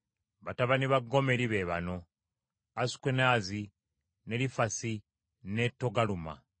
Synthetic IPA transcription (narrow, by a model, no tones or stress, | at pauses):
βataβaniβaɡːo̞me̞ɾiβe̞βano̞ | asu̥kwenaːzi | ne̞ɾifasi | ne̞tːo̞ɡaluma̰